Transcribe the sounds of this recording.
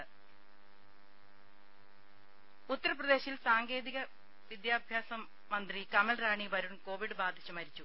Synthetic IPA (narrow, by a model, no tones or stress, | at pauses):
ut̪ːɐɾɐprɐd̪e̞ːɕilsaːŋɡe̞ːðiɣɐ | ʋid̪jaːbʱjaːsɐmː | ɐnd̪rikɐmɐlraːɳibɐɾuɳko̞ːʋiɽɨbaːd̪ʱit͡ɕːumɐɾit͡ɕːu